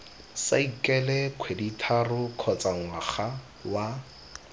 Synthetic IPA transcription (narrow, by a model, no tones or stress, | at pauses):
sa̰ikʼɛlɛkʰweditʰarʊkʰɔt͡sʼaŋwaχa | wa